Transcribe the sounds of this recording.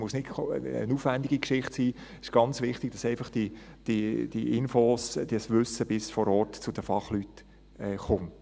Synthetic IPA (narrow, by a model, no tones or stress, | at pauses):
mʊsnɪtʰə̰nuːfʋænd̪ɪɡikʃɪχtsiː | ɪ̥ʃɡ̥ɑnt͡sʋɪχt̪ɪɡ̥̚d̥ɑsɛɪfɑχd̥id̥id̥iʔɪnfoːsd̥iəsʋʏsəb̥ɪsfɔɾɔːɾtt͡sʊd̥əfɑχlyt̪ | ɛːχʊmt